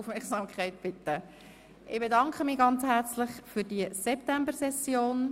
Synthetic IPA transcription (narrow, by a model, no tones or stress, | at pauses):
ufmɛɾksɑːmkʰχæɪt̚b̥ɪt̪ːə | ʔɪb̥edɑŋkχəmiːɡɑnt͡shæɾt͡slɪχfydiəsɛp̚tæmbəɾsɛsjoːn